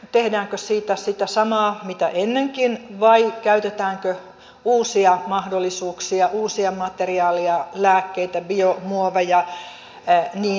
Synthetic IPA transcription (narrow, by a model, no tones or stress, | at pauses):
t̪ehdæːŋkøsiːt̪æsit̪æsɑmɑːmit̪æʔenːeŋkinʋɑikæyt̪et̪æːŋkø | uːsiɑmɑhdolːisuːksiɑʔuːsiɑmɑt̪eriɑːliɑlæːkːeit̪æbiomuoʋejɑ | niː